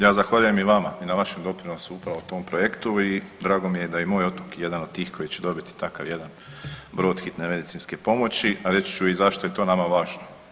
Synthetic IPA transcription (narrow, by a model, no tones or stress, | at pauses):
jaːzaxʋaʎuje̞miʋamainaʋaʃemd̪o̞pɾinosuupɾaʋot̪o̞ːmpɾoje̞kt̪uid̪ɾaːɡo̞mije̞d̪ajemoːjo̞t̪okje̞d̪anod̪̚t̪iːxkʰo̞jit͡ɕed̪o̞bit̪i̥t̪aka̰ʋje̞d̪an | bɾo̞ːd̪xit̪neme̞d̪it̪sinske̞po̞mo̞t͡ɕiaɾe̞t͡ɕt͡ʃuizaʃt̪oe̞t̪oːnamaʋaːʒno